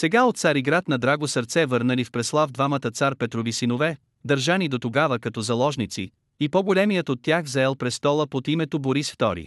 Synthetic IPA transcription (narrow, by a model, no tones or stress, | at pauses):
sɛɡaot̪t̪saɾiɡɾat̪nɐd̪ɾaɡosəɾt̪sɛvəɾnəlifpɾɛslˠavd̪vamət̪ət̪saɾpɛt̪ɾovisinovɛ | d̪ɐɾʒanid̪ot̪oɡavəkɐt̪ɔzɐlˠɔʒnit̪sḭ | ipɔɡolɛmijət̪ot̪ːjaxzaɛlˠpɾɛst̪ɔlˠəpot̪imɛt̪oboɾisft̪ɔɾḭ